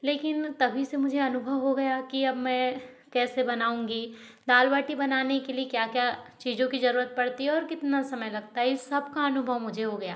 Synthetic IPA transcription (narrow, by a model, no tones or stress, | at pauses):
leːkɪnt̪ɐbʱisemʊd͡ʒʱeɐnʊbʱəʋɦoɡɐjakiɐbmɛ̃ | kɛːsebɐnaːũːŋɡi | d̪aːlʋaːʈibɐnaːnekeliekjaːkjat͡ʃiːzõkizɐɾuːɾət̪̚pɐɽt̪iɦɛɔːɾkɪt̪nasɐməjlɐɡ̚t̪aɦɛsɐb̚kaɐnʊbʱəʋmʊd͡ʒʱeɦoɡɐjaː